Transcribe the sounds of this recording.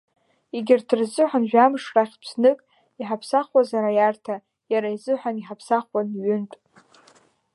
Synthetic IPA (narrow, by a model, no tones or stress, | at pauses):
iɡʲɪrdʰɨrzɨħʷanʒᶣamʂraχʲpʰsnɨkʼ | iħapʰsaχwazaɾajartʰa | jaɾaizɨħʷaniħapʰsaχwanɥʏntʼ